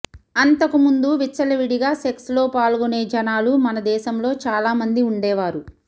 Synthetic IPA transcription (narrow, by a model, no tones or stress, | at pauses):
ɐnt̪ɐkumund̪uʋit͡ʃːɐlɐʋiɽiɡaːsekslo̞ːpaːlɡone̞ːd͡ʒɐnaːlumɐnɐd̪ɛːʃɐmlo̞ːt͡ʃaːlaːmɐnd̪iuɳɖɛːʋaːɾu